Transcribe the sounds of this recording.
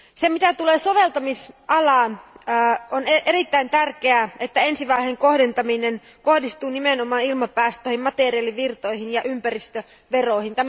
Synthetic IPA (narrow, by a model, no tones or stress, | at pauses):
semit̪æt̪uleːsoʋelt̪ɑmisʔɑlɑˑnː | oneʔerit̪ːæint̪ærkeæʔet̪ːæensiʋɑiheŋkohdent̪ɑminen | kohdist̪uːnimenomˑɑːnilmɑpæːst̪øˑːhimmɑt̪eriɑliʋirt̪oihinjɑʔympærist̪ø | ʋeroihint̪æm